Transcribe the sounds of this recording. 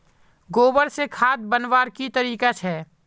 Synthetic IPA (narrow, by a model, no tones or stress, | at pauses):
ɡoːbəɾsekʰaːd̪̚bənʋaːɾkit̪əɾiːkat͡ʃʰɛː